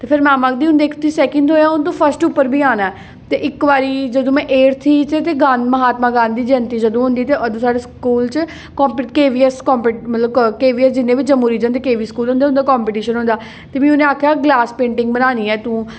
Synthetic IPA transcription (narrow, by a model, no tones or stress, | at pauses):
t̪eːpʰɪɾmɛ̃ːmakd̪iːʊnd̪eːkʰt̪iːsɛːkənd̪oːjaːʊnt̪̬õːpʰəsʈʊpːəɾbʱiːaːnaːɛ | t̪eːʔɪkʋaːɾiːd͡ʒəd̪õːmɛ̃ːʔeːɾt̪ʰiːt̪eːt̪eːɡãːnməɦaːt̪mãːɡaːnd̪iːd͡ʒɛnt̪iːd͡ʒəd̪õːɦʊ̃nd̪iːt̪eːʔəd̪õːsaːɖeːskuːlt͡ʃə | kɔ̃ːmpːkeːʋiːɛskɔːmpeʈmət̪ləbkeːʋiːɛsd͡ʒɪnːẽːʋɪt͡ʃd͡ʒəmuːɾiːd͡ʒə̃nd̪eːkeːʋiːskuːlɦõnd̪eːʊnd̪aːkɔːmpiːʈiːʃənɦʊ̃nd̪aː | t̪eːmĩːʊnẽaːkʰjaːɡlaːspẽːɳʈɪ̃ŋɡ̚bənaːniːɛːt̪ũː